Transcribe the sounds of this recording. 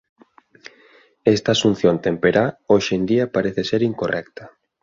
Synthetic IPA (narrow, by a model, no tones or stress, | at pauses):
est̪aːsun̟θjont̪empeɾaoʃend̪iapaɾeθeseɾiŋkorɛkt̪ḁ